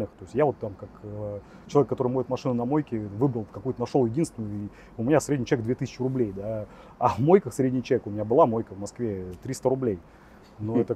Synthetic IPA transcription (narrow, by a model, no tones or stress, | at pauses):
nɨxt̪o̞ɪsʲtʲjavo̞t̪ːamkak | t͡ɕɪlˠɐekːɐt̪o̞ɾɨjmovʲɪt̪mɐʂɨnʊnɐmojkʲɪvɨbɾəlˠkɐkujʊt̪ənɐʂolˠjɪdʲinst̪nʲɪnjʊi | ʊmʲɪnʲasɾʲedʲnʲɪt͡ɕɛeɡd̪vʲet̪ɨsʲɪ̥t͡ɕːɪɾʊblʲejd̪a | avmojkəxsɾʲedʲnʲɪt͡ɕɛvʲekʊmɪnʲabɨlˠamo̞jkəvmɐskvʲet̪ɾʲist̪əɾʊblʲej | noɛt̪ə